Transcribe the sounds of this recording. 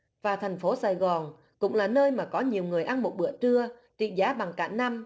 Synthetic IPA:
vaː˨˩t̪ʰɛ˨˩jŋ̟fo˨˦saː˨˩jɣɔ˨˩n | kʊ̰˧˥ŋ͡mlaː˨˩nəː˧jmaː˨˩kɔ˨˦ɲi˨˩əwŋɨ˨˩əjʔa˧nmo˨˩t̚ɓɨ̰˧˩ət͡ɕɨ˧ət͡ɕḭ˧˨zaː˨˦ɓa˨˩ŋka̰ː˧˩na˧m

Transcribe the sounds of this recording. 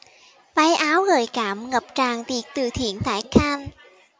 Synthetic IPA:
va˨˦jʔaː˨˦wɣəː˨˩jkaː˧˩mŋə˨˩p̚t͡ɕaː˨˩ŋt̪i˨˩ək̚t̪ɨ˨˩t̪ʰḭ˧˨ənt̪ʰa̰ː˧˩˦jxʰaː˧n

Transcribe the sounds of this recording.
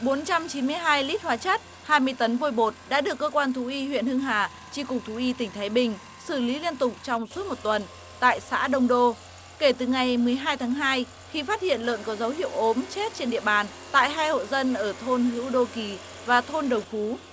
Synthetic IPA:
ɓo˨˦nt͡ɕa˧mt͡ɕi˨˦nmɨ˧əjɦaː˧jli˦˥t̚hwaː˨˦t͡ɕə˦˥t̚ | haː˧jmɨ˧əjt̪ə˨˦nvo˧jɓo˨˩t̚ɗa̰ː˧˥ɗɨ˨˩əkːəː˧kwaː˧nt̪ʰu˨˦ʔi˧hwḭ˧˨ənhɨ˧əŋɦaː˨˩ | t͡ɕi˧kʊ˨˩k͡p̚t̪ʰu˨˦ʔi˧t̪ï˧˩ŋ̟t̪ʰaː˨˦jɓï˨˩ŋ̟ | sɨ˧˩li˨˦li˧ənt̪ʊ˨˩k͡p̚t͡ɕɔ˧wŋ͡mswu˦˥t̚mo˨˩t̚t̪wə˨˩n | t̪a̰ː˧˨jsa̰ː˧˥ɗə˧wŋ͡mɗo˧ | ke˧˩t̪ɨ˨˩ŋa˨˩jmɨ˨˩əjɦaː˧jt̪ʰaː˨˦ŋɦaː˧j | xi˧faː˦˥t̚hḭ˧˨ənlə̰ː˧˨nkɔ˨˦zə˨˦whḭ˧˨əwʔo˨˦mt͡ɕe˦˥t̚t͡ɕe˧nɗḭ˧˨əɓaː˨˩n | t̪a̰ː˧˨jɦaː˧jho̰˧˨zə˧nʔəː˧˩t̪ʰo˧nɦɨ̰˧˥wɗo˧ki˨˩ | vaː˨˩t̪ʰo˧nɗə˨˩wfu˨˦

